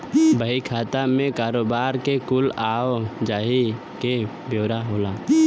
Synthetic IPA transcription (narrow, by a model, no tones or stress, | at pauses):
bəɦikʰaːt̪amẽkaːɾoːbaːɾkekʊlaːod͡ʒaːɦi | ke | bʱjoːɾaɦoːlaː